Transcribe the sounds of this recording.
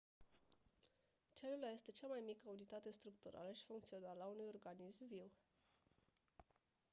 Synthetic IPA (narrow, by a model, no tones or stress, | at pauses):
t͡ʃelulaje̞st̪e̞t͡ʃamajmikəunit̪at̪e̞st̪ɾukt̪uɾa̰ləʃi̥fuŋkt̪sio̞naləaunujo̞rɡanismviw